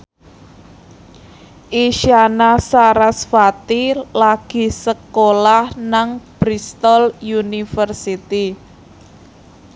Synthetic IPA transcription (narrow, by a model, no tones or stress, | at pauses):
ʔiʃanasaɾasfat̪ilaɡ̥i̤səkolahnaŋb̥ɾist̪ɔljunifərsit̪i